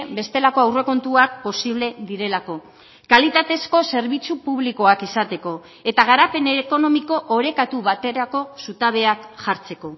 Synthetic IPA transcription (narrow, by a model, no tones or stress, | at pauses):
be̞st̪e̞lako̞awre̞ko̞nt̪uak̚po̞siβ̞le̞ðiɾe̞lako̞ | kalit̪at̪e̞sko̞se̞ɾβit͡supuβ̞liko̞akisat̪e̞ko̞ | e̞t̪aɣ̞aɾape̞neko̞no̞miko̞ʔoɾe̞kat̪uβ̞at̪e̞ɾako̞sut̪aβ̞e̞akʝaɾt͡se̞ko̞